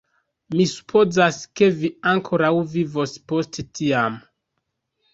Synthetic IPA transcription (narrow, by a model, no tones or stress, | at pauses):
misu̥pʰo̞zaske̞viaŋkʰo̞ɾawvivo̞spo̞stetʰiam